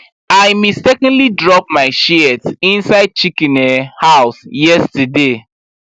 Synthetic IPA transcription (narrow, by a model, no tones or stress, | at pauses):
aɪmistɛkɔ̃ndlidɹɔp̚maɪʃiɛtsĩnsaɪd̚t͡ʃikɛ̃nɛhaʊsjɛstəde